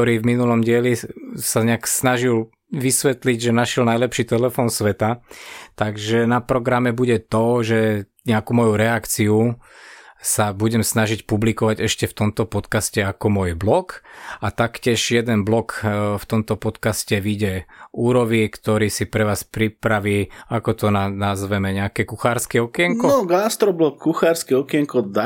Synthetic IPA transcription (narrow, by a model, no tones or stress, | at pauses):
ɔɾiːvminulɔmɟɪɛlisaɲɛaksnaʒil | ʋisʋɛt̪liɟʒɛnaʃjɛlnajlɛpʃiːt̪ɛlɛfɔːnsʋɛt̪at̪aɡʒɛnapɾɔɡɾamɛbuɟɛt̪ɔʒɛ | ɲɛakumɔjuɾɛakt͡siu | sabuɟɛmsnaʒicpublikɔʋaɟɛʃcɛft̪ɔmt̪ɔpɔt̪kascɛakɔmʊɔjblɔkat̪akcɪɛʒjɛd̪ɛnblɔkft̪ɔmt̪ɔpɔt̪kascɛʋiɟɛuːɾɔʋikt̪ɔɾiːsipɾɛʋaːspɾipɾaʋiːakɔt̪ɔnanazʋɛmɛɲɛakɛkuxaːɾskɛɔkɪɛŋkɔɔɡast̪ɾɔblɔkːuxaːɾskɛɔkɪɛŋkɔd̪a